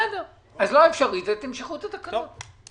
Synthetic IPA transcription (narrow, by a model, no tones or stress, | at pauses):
do | azloaefʃaʁit̪et̪emʃaχut̪at̪akao